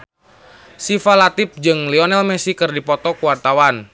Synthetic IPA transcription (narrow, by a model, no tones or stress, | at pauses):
sifalat̪ip̚d͡ʒɨŋliɔnɛlmɛsikɨrdipɔt̪ɔkuwart̪awan